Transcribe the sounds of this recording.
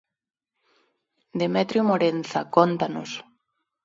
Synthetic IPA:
d̪emɛt̪ɾjomoɾenθa̰kont̪ano̰s

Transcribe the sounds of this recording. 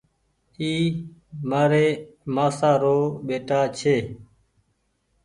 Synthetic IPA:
iːmaːɾeːmaːsaːɾoːɓeːʈaːt͡ʃʰeː

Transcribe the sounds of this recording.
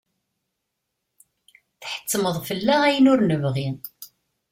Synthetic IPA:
θħə̥t͡sːməðˤfəlːææjənʊɾnəvʁi

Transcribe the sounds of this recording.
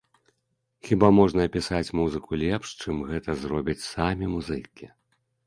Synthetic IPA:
xʲibamɔʐnɐːpʲisat͡sʲmuzɨkulʲɛpʂt͡ʂɨmɣɛt̪ɐzɾɔbʲit͡sʲsamʲimuzɨkʲi

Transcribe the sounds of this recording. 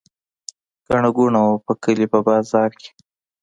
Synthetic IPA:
ɡ̥aɳaɡuɳawopəkəlipəbɑːzɑːɾke̥

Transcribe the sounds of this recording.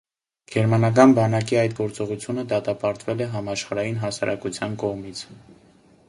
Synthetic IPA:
ɡ̥ɛɾmɑnɑk̬ɑnbɑnɑkiɑjt̪ɡɔɾt͡sɔʁut͡sʰjunəd̪ɑt̪ɑpɑɾt̪vɛlɛɦɑmɑʃχɑɾɑjinɦɑsɑɾʔɑkut͡sʰjɑnkɔʁmit͡sʰ

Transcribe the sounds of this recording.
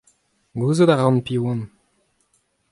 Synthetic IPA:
ɡuzod̪aʁɑ̃npiwɑ̃n

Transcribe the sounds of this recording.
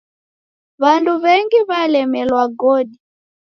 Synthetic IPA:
βantuβɛŋɡiβalɛmɛlwaɡoːdi

